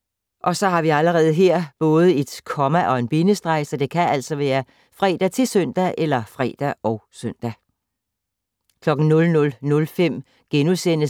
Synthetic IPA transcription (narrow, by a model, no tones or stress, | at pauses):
ʔɒ̽sɒ̽hɑ̈ʋiæləʁɛːð̞̩ˠəɦeɐ̰b̥ɔ̽ːð̞ˠəe̝d̥kʰɒ̽mæʔɒ̽e̝nb̥inəsd̥ʁɑ̈ɪsəd̥e̝kʰæʔæl̰sɒ̽ʋæːɐ | fʁɛ̰ːd̥æt͡sʰe̝sœn̰d̥æʔelɐfʁɛ̰ːd̥æɒ̽ʊsœn̰d̥æ | kʰlɒ̽ɡ̥n̩nɔ̽lnɔ̽lnɔ̽lfem̰ | ɡ̥enusen̰ə